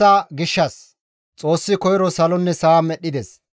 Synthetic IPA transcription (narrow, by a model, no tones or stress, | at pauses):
aːɡɪʃːɐs | t͡sʼo̞ːsːɪkɔjɾɔsɐlɔnːɛsamɛɗɪd̪ɛs